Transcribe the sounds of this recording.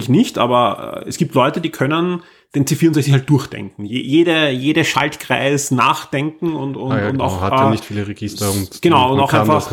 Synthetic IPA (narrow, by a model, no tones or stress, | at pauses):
ɪçnɪçtʔa̰ːbɐɛ̰ɛsɡ̥iːp̚tlɔʏtədiːkʰœnən | d̥eːnt͡seːfiɐʊnzɛçt͡sɪçhalt̚d̥ʊɐçd̥ɛ̰ŋkŋ̩jeːjeːɾəjeːɾəʃa̰ltkʁ̥aɪsnaːχd̥ɛŋkŋ̩ʊntʊnʊta̰ʊxaanɪçtfiːləʁeɡɪstɐʊntɡ̥ənaʊʊntaʊʔanfax